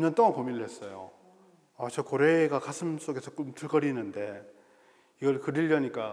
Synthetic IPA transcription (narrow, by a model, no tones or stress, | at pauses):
iɲːʌnt͈oŋankomiɾɭɦes͈ʌjo̰ | at͡ɕʌkoɾe̞ɡakasʰɯms͈oɡe̞sʰʌk͈omtɯɭɡʌɾinɯnde̞ | iɡʌɭkɯɾiʎːʌɲik͈a